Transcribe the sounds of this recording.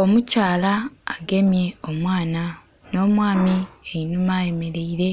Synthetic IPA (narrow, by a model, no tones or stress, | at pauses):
o̞mucaːlaːɡe̞mje̞omwaːna | no̞ːmwaːmieinumaje̞me̞ɾe̞iɾe̞